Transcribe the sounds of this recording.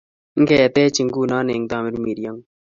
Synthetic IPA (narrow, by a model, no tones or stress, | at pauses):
ŋkɐjɐt̪eːt͡ɕiŋɡuːnaːneːŋd̪aːmiɾumiːɾijɐŋ